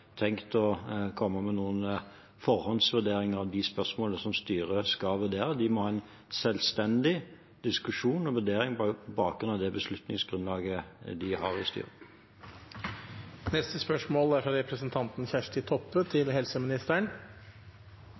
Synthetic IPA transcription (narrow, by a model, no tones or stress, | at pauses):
t̪ʰɛŋkt̪ɔkʰɔmːəmɛnuːən | fɔʁhɔnsʋʉd̪eːɾɪŋəɑʋd̪ɪspœʂmoːləsɔmst̪yːʁəskɑʋʉd̪eːɾəd̪ɪmɔhɑːɛn | sɛlst̪ɛnd̪ɪ | d̪̥ɪskʉʂuːnɔʋʉd̪eːɾɪŋbɑːkɾʉnɑʋd̪ɛbəslʉt̪nɪŋsɡɾʉnlɑːɡəd̪ɪhɑɾɪst̪y̰ːʁə | nɛst̪əspœʂmoːlæɾfɾɑɾɛpɾəsənt̪ʰɑnt̪n̩çæʂʈɪt̪ʰɔpːət̪ʰɪlɦɛlsəmɪnɪst̪æɳ